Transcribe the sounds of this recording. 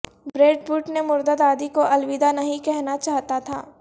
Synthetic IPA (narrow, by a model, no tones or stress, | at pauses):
bɾeːɖbuːʈnemʊɾd̪əd̪aːd̪ikoʔɐlʋɪd̪anɐɦĩkɛɦnat͡ʃaːɦt̪at̪ʰa̰ː